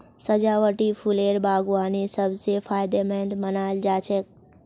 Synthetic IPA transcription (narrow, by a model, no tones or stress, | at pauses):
səd͡ʒaʋəʈifʰuleɾbaɡuʋanesəbsefʰaːjd̪emɛ̃nd̪mənaeld͡ʒat͡ʃʰe